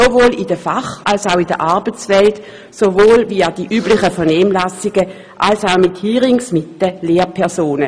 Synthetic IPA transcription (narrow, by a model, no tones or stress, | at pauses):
sovoːlɪd̥əfaχalsaʊɪdə̰ʔaɐbət͡svɛlt | sovoːlviːad̥iʔyːblɪχəfɛɐnɛːmlasɪɡ̥ə | ʔalsaʊmɪthiːʁɪŋsmɪtːəleːɐpʰɛsoːnə